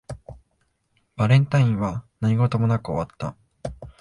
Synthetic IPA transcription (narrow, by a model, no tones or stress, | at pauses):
b̥aɾẽ̞nt̪aĩɰ̃βanaɲ̟iɡo̞t̪o̞mo̞nakɯo̞̰βat̪ːa